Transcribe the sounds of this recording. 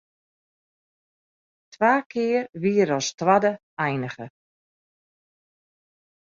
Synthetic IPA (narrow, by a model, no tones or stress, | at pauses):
tʋaːkʰɪːrʋiəɾɔstʋadə | ɛjnəɣə